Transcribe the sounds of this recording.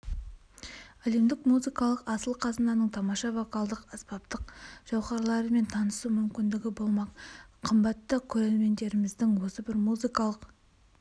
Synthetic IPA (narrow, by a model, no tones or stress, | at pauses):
æle̞md̪ɪkmuzɨjkɑlˠəqɑsəlˠqʰɑzənɑnəɴt̪ʰɑmɑʃɑvokɑlˠd̪əqɑspɑp̚t̪əqʒ̥ɑwʁɑɾlˠɑɾəme̞nt̪ʰɑnəsumʏmkʲɪnd̪ɪɡʲɪbo̞lˠmɑqqʰːəmbɑt̪ːəkʲʰɵɾeɾme̞nd̪e̞ɾɪmɪzd̪ɪŋwo̞səbɪɾmuzijkɑlˠəq